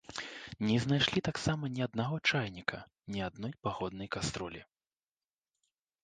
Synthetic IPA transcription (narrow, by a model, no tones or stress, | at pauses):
nʲɛznajʂlʲit̪aksamɐnʲiad̪̚naɣɔt͡ʂajnʲikɐ̰ | nʲiad̪nɔjpaɣɔd̪nɐjkast̪ɾɔlʲḭ